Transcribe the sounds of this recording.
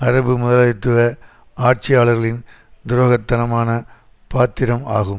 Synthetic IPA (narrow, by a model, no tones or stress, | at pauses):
ɐɾɐbɯmʊðɐlɐɪt̪ːɯʋɐ | aːʈ̚t͡ʃɪjaːɭɐɾɣɐɭɪn | d̪ʊɾoːɣɐt̪ːɐnɐmaːnɐ | paːt̪ːɪɾɐmaːɣɯm